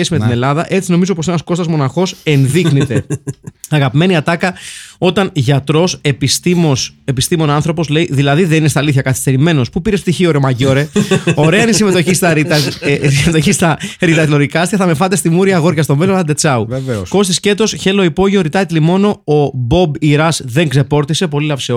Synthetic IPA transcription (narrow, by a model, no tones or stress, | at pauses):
esime̞t̪ine̞lɐðɐʔe̞t͡sino̞mizo̞po̞se̞nɐsko̞st̪ɐzmo̞nɐxo̞se̞nðiknit̪e̞ | ɐɣɐpime̞niɐt̪ɐkɐo̞t̪ɐnʝɐt̪ɾo̞se̞pist̪imse̞pist̪imo̞noɐnθɾo̞po̞sleiðilɐðiðe̞ninest̪ɐliθçɐkɐθi̥st̪e̞ɾime̞no̞spupiɾespt̪içioɾemɐʝo̞ɾe̞o̞ɾe̞ɐnisime̞t̪o̞çist̪ɐɾit̪ɐsime̞t̪o̞çist̪ɐɾit̪ɐlo̞ɾikɐst̪çɐθɐmefɐt̪̬est̪imuɾiɐɣo̞ɾʝɐst̪o̞me̞lonɐd̪e̞t͡sɐuvvesko̞st̪isce̞t̪o̞sçe̞lo̞ipo̞ʝioɾit̪ɐit̪limo̞no̞obo̞biɾɐsðe̞ŋɡze̞po̞ɾt̪ise̞po̞lilɐfseo